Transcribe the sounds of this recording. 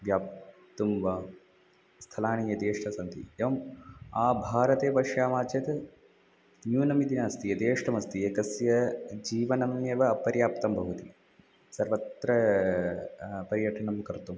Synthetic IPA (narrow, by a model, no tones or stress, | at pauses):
ʋjaːp̚t̪umʋɐ | st̪ʰɐlaːɳijɐt̪eːʂʈʰɐsɐnt̪ḭeʋɐmaːbʱaːɾɐt̪eːpɐʃjaːmaːt͡ʃɐt̪ | njuːnɐmid̪inaːst̪ijɐt̪eːʂʈʰɐmɐst̪ieːkɐsjɐd͡ʒiːʋɐnɐmeːʋɐɐpɐɾjaːpt̪ɐmbʱɐɦut̪i | sɐɾʋɐt̪ɾɐ | pɐɾjɐʈʰɐɳɐmkɐɾt̪um